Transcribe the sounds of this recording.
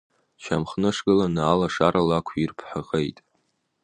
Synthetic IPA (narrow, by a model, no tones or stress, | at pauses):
t͡ʃʰamχnɨʂɡɨlanaːlaʂaɾʔalakʷʰirpʰħaqʼejtʼ